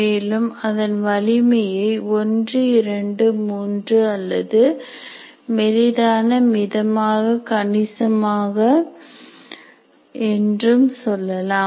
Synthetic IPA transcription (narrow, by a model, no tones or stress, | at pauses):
eːlɯmɐðɐnʋɐlɪmɐjɐɪɔndrɯɪɾɐɳɖɯmuːndrɯɐlːɐðɯ | mɛɾɪðaːnɐmɪðɐmaːɣɐkɐɳɪsɐmaːɣɐ | ɛndrɯmsɔlːɐlaː